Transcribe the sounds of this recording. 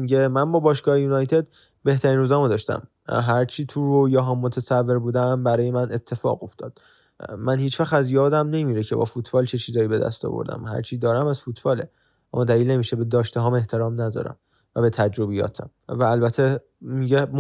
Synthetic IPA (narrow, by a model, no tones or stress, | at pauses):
miɟemænbɒːbɒːʃɡɒːhejuːnɒjt̪ʰe̞d̪ | be̞ht̪ʰæɾiːnɾuːzæmod̪ɒʃt̪æ̰m | ɦæɾt͡ʃʰiːt̪ʰuojɒːɦɒmːot̪ʰesævːe̞ɾbuːd̪æmbæɾɒːje̞mænʔe̞t̪ʰːe̞fɒ̰ːɣo̞ft̪ʰɒ̰ːd̪̥ | mænhiːt͡ʃvæxt̪æzjɒːd̪æmne̞miːɾecʰe̞bɒ̰ːfut̪ʰbɒːlt͡ʃʰe̞t͡ʃʰiːzɒːjibe̞d̪æ̰st̪ɒ̰ːvo̰ɾd̪æ̰mhæ̰ɾt͡ʃʰiːd̪ɒːɾæmæzfut̪ʰb̥ɒːle̞ | ʔæ̰mːɒd̪æliːlne̞miːʃebed̪ɒːʃt̪eɦɒːme̞ht̪ʰe̞ɾɒːmnæd̪ɒ̰ːɾæ̰m | væbe̞t̪ʰæd͡ʒɾobijɒ̰ːt̪ʰæ̰mvæːlbæt̪ʰe | miɟem